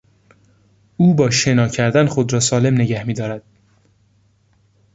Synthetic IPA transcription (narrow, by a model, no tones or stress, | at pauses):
uːbɒːʃe̞nɒːcʰæɾd̪ænxod̪ɾɒːsɒːle̞mne̞ɟæhmiːd̪ɒːɾæd̪̥̚